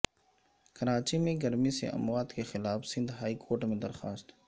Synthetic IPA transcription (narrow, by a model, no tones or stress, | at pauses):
kɐɾaːt͡ʃimẽɡɐɾmisḛʔɐ̰mwaːd̪kexɪlaːfsɪ̃nd̪ɦaːikʰoːɾʈmẽd̪ɐɾxaːst̪